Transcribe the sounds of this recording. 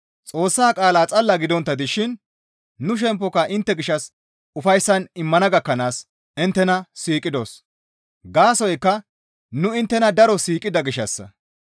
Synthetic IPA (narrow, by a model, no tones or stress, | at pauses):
t͡sʼo̞ːsːaːkʼaːlaːt͡sʼɐlːɐɡɪd̪ɔnt̪ːɐd̪ɪʃɪnː | ʊʃ̬ɛmpːɔkɐʔɪnt̪ːɛɡɪʃːɐs | ʊfɐjsːɐnɪmːɐnɐɡɐkːɐnaːs | ɪnt̪ːɛnɐsiːkʼɪd̪o̞̰ːs | ɡaːsɔjkːɐ | nʊɪnt̪ːɛnɐd̪ɐɾɔsiːkʼːɪd̪ɐɡɪʃːɐsːɐ̰